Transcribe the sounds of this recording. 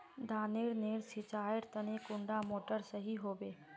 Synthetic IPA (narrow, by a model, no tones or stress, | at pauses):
d̪ʱaːneːɾneːɾsɪt͡ʃaːeɾt̪ənekʊ̃ɳɖamoːʈəɾsəɦiɦoːbeː